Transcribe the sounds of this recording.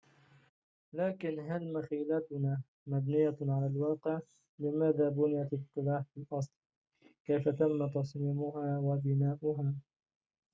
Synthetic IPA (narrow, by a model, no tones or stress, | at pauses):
laːkɪnɦalmaxiːlat̪ʊnaː | mabnɪjːaʕalalwɑːqɪʕ | lɪmaːðaːbʊnɪjat̪ɪt̪ːɪlaːħfɪlʔɑsˤl | kajfat̪amːat̪ɑsˤniːmʊɦaːwabɪnaːʔʊɦaː